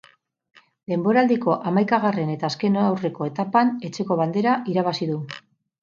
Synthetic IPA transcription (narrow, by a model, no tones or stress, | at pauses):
d̪e̞mbo̞ɾaːld̪iko̞ʔamajkaɣ̞are̞ne̞t̪aːske̞noawre̞ko̞e̞t̪apane̞t͡ʃe̞ko̞βald̪e̞ɾaʔiɾaβ̞asiðu